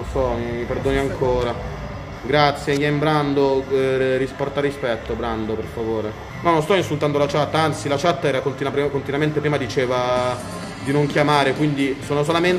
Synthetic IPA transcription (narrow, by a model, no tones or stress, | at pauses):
nsɔmiiperd̪oːniaŋkʰoːɾa | ɡɾat̪sːjeɡɛmbɾand̪orispɔrt̪arːispɛt̪ːobɾand̪operfavoːɾe | nɔnonst̪ɔinsult̪and̪olat͡ʃat̪ːaant̪silat͡ʃat̪ːaɛːɾakont̪inakont̪inament̪epɾiːmad̪it͡ʃeːva | d̪inoŋkjamaːɾekwind̪isoːnos̬olamen